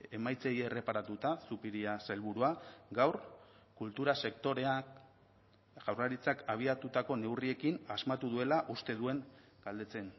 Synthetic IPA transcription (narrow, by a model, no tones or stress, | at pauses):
e̞majt͡sejere̞paɾat̪ut̪asupiɾiaselβuɾuaɡawr | kult̪uɾase̞kt̪o̞ɾe̞a | ʝawraɾit͡sakaβ̞iat̪ut̪ako̞ne̞wrie̞kinazmat̪uðue̞laʔust̪e̞ðue̞ŋ | ɡ̥ald̪e̞t͡se̞n